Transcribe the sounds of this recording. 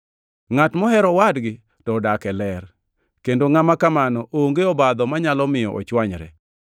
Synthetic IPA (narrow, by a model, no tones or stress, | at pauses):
ŋatmɔɦɛɾɔwadɡɪ | tɔdakɛlɛr | kendoŋamakamanɔʔooŋɡeɔbad̪ɔmaɲalɔmɪjɔ̰ʔɔ̰t͡ʃwaɲɾɛ̰